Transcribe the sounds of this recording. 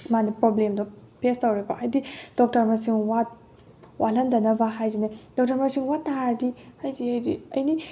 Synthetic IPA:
manipɾɔblemdɔpʰestawɾekɔʔajdid̥ɔk̚tɐɾmasiŋwat̪̚ | wʔalɐndɐnɐbaɦajzined̥ɔk̚tɐɾmasiŋwat̪adihajdiajdiɐjni

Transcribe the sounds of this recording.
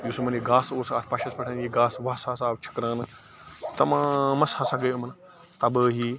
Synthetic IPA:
joːsɐmɐniɡaːsoːsaːt̪ʰpaːʃɐspɐʈʰaniɡaːsʋaːsaːsaːʋt͡ʃʰɐ̥kɾaːn | t̪ɐmãːmɐshaːsaːɡɐjomɐn | t̪ɐːbəɦiː

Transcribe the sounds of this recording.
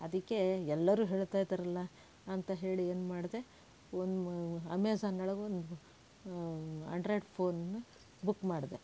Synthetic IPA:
ɐd̪ikːe̞ɛlːɐɾuːɦe̞ːɭt̪aːjd̪ɐɾɐlːɐ | ɐnt̪ɐɦe̞ːɭieːnumaːɽd̪e̞ | ond̪uɐmeːsaːnɐɭɐɡeond̪u | a̰ɳɖɾɐjɖpʰo̞ːnɐnːu | bukːmaːɽd̪e

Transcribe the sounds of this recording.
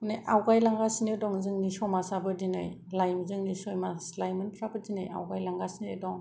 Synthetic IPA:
neʔawɡajlaŋɡasinedɔŋzɯŋnisɔmasabɯdinɯ̰j | lajmzɯŋnisɔjmaslajmɯnpʰɾabɯdinɯja̰wɡajlaŋɡasinedɔŋ

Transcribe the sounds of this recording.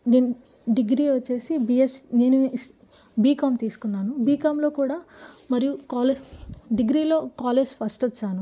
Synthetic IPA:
neːnu | ɖiɡɾiːʋɐt͡ʃːe̞ːsibijesne̞ːnu | biːkaːmt̪iːsu̥kunːaːnubiːkaːmlo̞ːkuːɽaːmɐɾijukaːleɖiɡɾiːlo̞ːkaːleːd͡ʒpʰɐsʈɐt͡ʃːaːnu

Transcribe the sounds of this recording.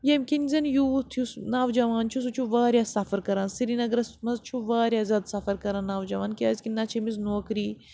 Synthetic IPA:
jɐmʲkinʲzʲɐnjuːt̪ʰjusnaːʋd͡ʒɐʋaːnt͡ʃʰus̬ut͡ʃʰuʋaːɾjaːsɐfɐɾkɐɾaːnsiɾinɐɡɾɐsmɐzt͡ʃʰuʋaːɾjaːzʲjaːd̪sɐfɐɾkɐɾãːnaːʋd͡ʒɐʋaːnkiaːzʲkinɐt͡ʃʰemis̬noːkɾiː

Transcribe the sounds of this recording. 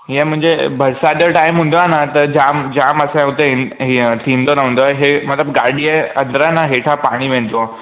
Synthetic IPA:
ɦiẽmə̃ɦɲd͡ʑebʱəɾsad̪əʈaimɦũnd̪oanat̪əɾd͡ʑamd͡ʑaməsãut̪eɦt̪ʰĩnd̪onaɦũnd̪oɦemət̪ləbɡaɽieə̃nd̪ɾəanaɦeʈʰapaɽ̃iːʋẽnt̪oa

